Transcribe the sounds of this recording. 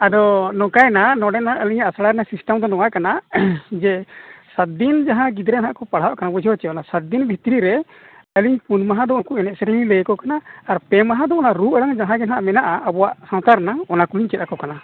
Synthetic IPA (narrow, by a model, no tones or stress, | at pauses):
ad̪ɔnɔkajnanɔɖɛnaʔəliɲaasaɽaɾɛnasisʈamd̪ɔnɔŋaʔkanad͡ʒɛsat̪̚d̪ind͡ʒaɦãɡid̪ɾɛnɦaʔkɔpaɽ̤awaʔkanabɔd͡ʒʰiɔt͡ʃɛɔnasat̪̚d̪inbʱit̪ɾiɾɛ | əliɲpunmaɦãd̪ɔɔkuʔɛnɛʔ̪̚səɾililəjkɔkanaːɾpɛmaɦãd̪ɔɔnaɾuʔəɽaŋd͡ʒaɦãɡɛnɦaʔmɛnaʔaəbɔwaʔsãw̃t̪aɾnaɔnakuliɲt͡ʃɛt̪akɔkana